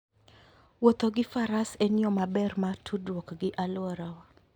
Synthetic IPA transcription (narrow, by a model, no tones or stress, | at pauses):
wot̪oɡɪfaɾaseniɔmabɛrmatʰudwɔkɡɪʔalwɔɾawa